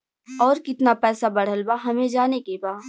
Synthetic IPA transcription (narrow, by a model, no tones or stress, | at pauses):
ɔːɾkɪt̪napɛːsabɐɽ̤əlbaɦɐmẽd͡ʒaːnekebaː